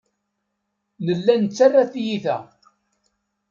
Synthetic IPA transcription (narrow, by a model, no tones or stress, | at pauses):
nəlːænt͡sːarːaθjiθæ̰